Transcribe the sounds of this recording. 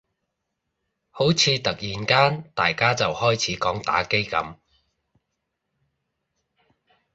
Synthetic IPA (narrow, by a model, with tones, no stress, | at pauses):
ho˨˥wt͡sʰiː˨˧t̪ɐ˨k̚jiː˨nkaː˥nt̪aː˨jkaː˥t͡sɐ˨whɔː˥jt͡sʰiː˨˥kɔː˨˥ŋt̪a̰ː˨˥ke˥jkɐ̰˨˥m